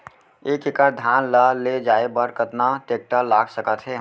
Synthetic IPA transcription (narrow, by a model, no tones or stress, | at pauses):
ekekəɾd̪ʱjanləled͡ʒaebəɾkət̪naʈek̚ʈəlaɡsəkət̪ɦɛ